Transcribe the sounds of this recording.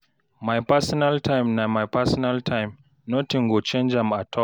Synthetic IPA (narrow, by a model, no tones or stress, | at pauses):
majpasɔnaltajmnamajpasɔnaltʰãjm | notĩŋɡot͡ʃẽnd͡ʒãmatʰɔl